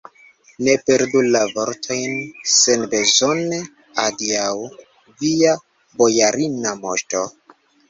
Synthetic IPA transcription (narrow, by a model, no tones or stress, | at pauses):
ne̞pe̞ɾdulavo̞ɾtʰo̞jnse̞nbe̞zo̞ne | adiaw | via | bo̞jaɾinamoʃto̞